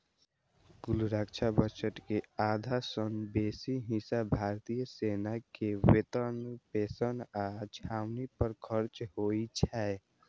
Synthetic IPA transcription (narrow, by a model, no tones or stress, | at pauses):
ɡʊlɾakt͡ʃʰabət͡ʃəʈkeaːd̪ʱasənbeːsiɦɪsabʱaːɾt̪ijəseːnakewet̪ənpeːsənad͡ʒaːwnipəɾkʰəɾt͡ʃhoːit͡ʃʰɛ